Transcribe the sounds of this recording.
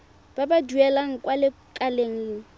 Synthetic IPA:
b̥abaduɛlaŋ̩kʼwalɪ | kʼaleŋ̩l̩

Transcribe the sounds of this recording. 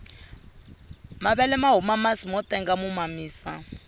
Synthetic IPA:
maβɛlɛmaɦumamasimɔtɛŋɡamumamiːsa

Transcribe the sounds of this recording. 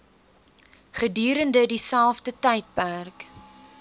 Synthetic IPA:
χədyːɾəndədisælˠfdətɛjt̚pærk

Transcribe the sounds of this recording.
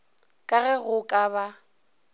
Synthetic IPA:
kʼaɣɛɣʊkʼaba

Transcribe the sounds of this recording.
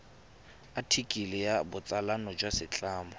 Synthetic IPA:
atʰikʼilɪjabʊt͡sʼalanɔd͡ʒwasɪt͡ɬʼaːmɔ

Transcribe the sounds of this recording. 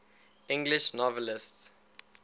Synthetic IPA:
ĩŋɡliʃnɔvɛlists

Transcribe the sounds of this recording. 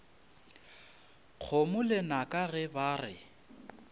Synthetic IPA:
q͡χʰomʊlɪnakʼaɣɛbaːrɪ̰

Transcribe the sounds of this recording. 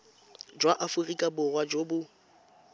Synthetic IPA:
d͡ʒwaʔafʊrikʼabʊrwad͡ʒobʊ

